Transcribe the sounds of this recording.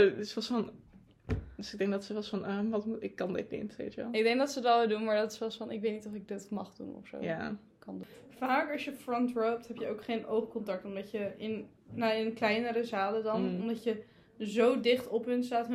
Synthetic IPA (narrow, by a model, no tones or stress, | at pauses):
ɪsʋɔsfɑn | dəsɪɡ̚dɛŋ̚dɑtsəʋɛsfɑnəʋɑtmuɪkːɑndɪ̰t̚nḛtʋḛjtəʋɛ̰lˠɪɡ̚dɛŋk̚dɑtsəətʋɛlˠʋɪlˠdunmaːɹdɑtɪ̥sʋɑsfɑnɪkʋejtnitɔfɪɡ̚dɪtmɑ̰χdṵnɔ̰fso̰ja | kɑndfaːkɑsjəfrɔntrowp̚tɦɛpjəowkχejnowχkɔntɑk̚tɔmdɑcəɪn | naɪnklɛjnəɾəzaːlədɑnɔmdɑcə | zowdɪχtɔpɦənstaːt